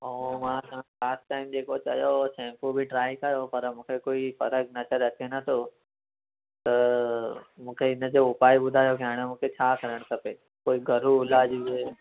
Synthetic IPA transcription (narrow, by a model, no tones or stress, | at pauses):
omãt̪aãkaːsʈʈaːɪmd͡ʑeːkot͡ɕɐ̰josɛ̃ːmpubʱiʈɾaːikɐjopɐɾmũːkʰekoːifɐɾəɡnɐt͡ɕəɾɐt͡ɕʰenɐt̪ʰo | t̪ɐ | mũːkʰeɪnə̆d͡ʑoʊpaːibʊd̪ʱaːjokɪaːɪɽ̃əmũːkʰet͡ɕʰaːkɐɾəɽ̃kʰɐpe | koːiɡʱɐɾuɪlaːd͡ʑibe